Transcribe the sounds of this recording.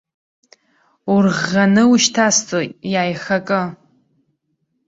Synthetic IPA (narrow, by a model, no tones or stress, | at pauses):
urʁanɨuʃtʰastʼojaːjχakʼɨ